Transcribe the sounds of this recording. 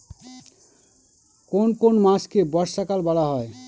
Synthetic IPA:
konkonmãskebɔɾʃakalbɔɽaɦɔe

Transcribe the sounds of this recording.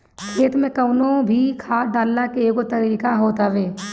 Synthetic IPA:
kʰeːt̪mẽkəʊnõbʱikʰaːɖaːlnakeeːkot̪əɾiːkaɦoːt̪aʋeː

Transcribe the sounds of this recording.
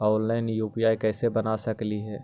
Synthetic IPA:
ɔːlːaːɪnjuːpiaːjkɛːsebɐnasɐkliɦɛː

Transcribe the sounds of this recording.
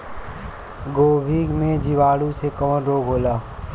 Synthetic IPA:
ɡoːbʱiːɡmẽd͡ʒiʋaːɽusekɔ̃ːnɾoːɡɦoːlaː

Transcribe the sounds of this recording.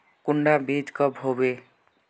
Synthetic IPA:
kuɳɖabʱed̪kəbɦobe

